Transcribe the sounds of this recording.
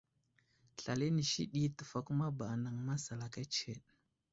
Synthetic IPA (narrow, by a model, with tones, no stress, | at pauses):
ɬa˨le˦ni˨ʃḭ˦ɗi˦tə˨fa˦kma˦ba˨na˨ŋma˦sa˨la˨ka˦t͡ʃe˨ɗ